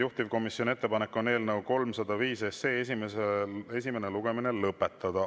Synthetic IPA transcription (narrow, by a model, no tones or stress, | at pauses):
juht̪ivko̞misjo̞nie̞t̪ːepɑnekːo̞ne̞ːlnəwko̞lmsɑd̪̥ɑviːse̞se̞ːesimesee̞sime̞neluɡ̥e̞mine̞lɤpːˑe̞t̪ːˑɑd̪̥ɑ